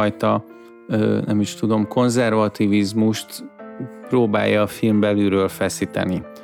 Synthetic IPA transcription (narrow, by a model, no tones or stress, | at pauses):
jt̪ɒ | nɛmiʃt̪ud̪o̞mko̞nzɛrvɒt̪ivizmuʃt̪proːba̰ːjːɒːfilmbɛlyɾøːlfɛsiːt̪ɛ̰ni